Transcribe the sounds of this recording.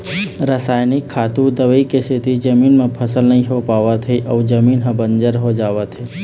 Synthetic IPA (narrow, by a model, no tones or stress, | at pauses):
ɾəsaːjnɪkʰːat̪ũd̪əʋəikeset̪id͡ʒəminmãpʰəsəlnəɦĩɦopaʋat̪ʰeʔəud͡ʒəminɦə̃bənd͡ʒəɾɦod͡ʒaʋat̪ʰe